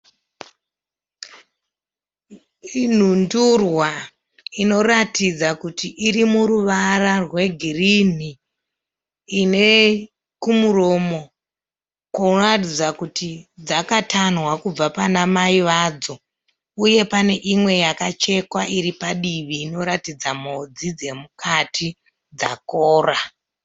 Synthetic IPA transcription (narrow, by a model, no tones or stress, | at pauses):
in̤undurwa | ino̞ɾatid͡zakutiʔiɾimuɾuʋararwe̞ɡʱirin̤i | ne̞ | kumuro̞mo̞ | kuratid͡zakutid͡zakatanwakub͡vapanamaiʋaːd͡zo̞ | uje̞pane̞ʔimwe̞jakat͡ʃe̞kwaʔiɾipaɗiʋiːno̞ɾatid͡zamod͡zid͡ze̞mukatʰi | d͡za̰koːra